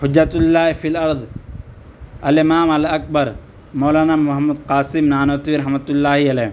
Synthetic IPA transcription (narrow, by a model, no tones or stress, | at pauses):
hʊd͡ʒːɐt̪ʊlːaːɦfiːlɐɾd̪ˤ | ɐlɪmaːmɐlɐk̚bɐɾ | moːlaːnaːmʊɦɐmːud̪qaːsɪmnaːnoːt̪ʋiɾɐɦmɐt̪ʊlːaːɦiɐlɛː